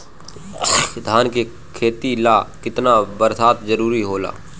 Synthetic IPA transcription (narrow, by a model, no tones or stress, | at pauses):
d̪ʱaːnke | kʰeːt̪ilaːkɪt̪nabəɾsaːt̪d͡ʒəɾuːɾiɦoːla̰ː